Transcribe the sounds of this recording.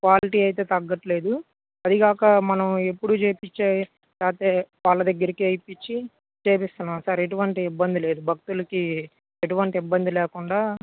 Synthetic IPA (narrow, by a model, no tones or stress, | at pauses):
kʋaːliʈiːɐjt̪eːt̪ɐɡːɐʈle̞ːd̪u | ɐd̪iɡaːkɐmɐnɐme̞pːuɽut͡ʃeːpit͡ʃːaː | jaːt̪eːʋaːlːɐd̪ɐɡːɐɾikiɐjpit͡ʃːi | t͡ʃeːpist̪unːaːmsaːɾeʈuʋɐɳʈiːbːɐnd̪ile̞ːd̪ubʱɐk̚t̪ulɐki | eʈuʋɐɳʈiibːɐnd̪ilɛːkuɳɖaː